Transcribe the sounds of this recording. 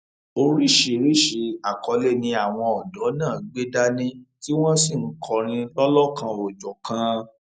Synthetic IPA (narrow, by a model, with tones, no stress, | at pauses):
o˧ɾi˦˨ʃi˨ɾi˦ʃe˧a˨kɔ˨˧le˦˨nĩ˧a˨w̃ɔ̃˧ɔ˨dɔ˨˦nãː˦˨ɡ͡be˦da˦nĩ˦ti˦w̃ɔ̃˦si˦˨ŋ̩˦kʰɔ˧ɾ̃ĩ˧lɔ˦lɔ˦kã˧ɔ˨d͡ʒɔ˨kã˧